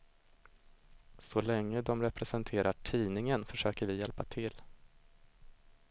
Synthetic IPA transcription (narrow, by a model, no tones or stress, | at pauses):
sɔlɛŋːəd̪ɔmɾɛpɾɛsɛnt̪ʰeːɾaʈʰiːnɪŋənfœʂøːkəɾvɪjɛlpat̪ʰɪlː